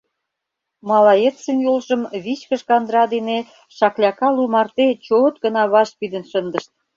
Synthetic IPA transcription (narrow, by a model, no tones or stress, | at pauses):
mɑlɑjet̪sənjolʒə̆mβit͡ɕkə̆ʃkɑnd̪ɾɑd̪ene | ʃɑklʲɑkɑlumɑrt̪et͡ɕot̪ɡə̆nɑβɑʃ̚pid̪ə̆nʃənd̪ə̆ʃt̪̚